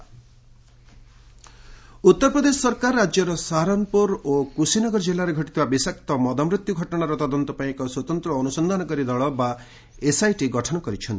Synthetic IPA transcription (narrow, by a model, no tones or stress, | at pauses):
ut̪ːɔɾpɾɔd̪esɔsɔɾkaɾːad͡ʒjɔɾɔsaɦɾɔmpuɾokusinɔɡɔɾd͡ʒilːaɾeɡʱɔʈit̪ʰibabisak̚t̪ɔmɔd̪ɔmɾit̪juɡʱɔʈɔɽ̃aɾɔt̪ɔd̪ɔnt̪ɔpaĩkɔswɔt̪ɔnt̪ɾɔːnusɔnd̪ʱanɔkɔɾid̪ɔɭɔba | esajʈiɡɔʈʰɔnɔkɔɾit͡ʃʰɔnt̪i̥